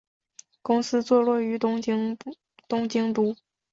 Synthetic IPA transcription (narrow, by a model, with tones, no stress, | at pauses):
kʊ˥ŋsɹ̩˥t͡swɔ˥˧lwɔ˥˩y˧˥ | t̪ʊ˥ŋt͡ɕi˧˥ŋt̪u˧˥